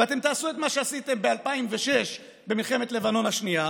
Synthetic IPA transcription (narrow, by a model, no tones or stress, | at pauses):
vat̪e̞mt̪aːsuet̪maʃeasit̪e̞mbealpaimveʃe̞ʃ | be̞milχe̞me̞t̪le̞vano̞nhaʃnia